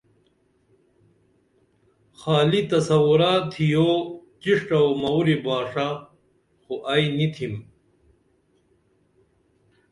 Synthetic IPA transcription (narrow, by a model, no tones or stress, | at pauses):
xaːlit̪ɐsɐwuɾat̪ʰijoːt͡ɕiʂʈɐwomɐwɾibaːʂa | xuʔɐjnit̪ʰim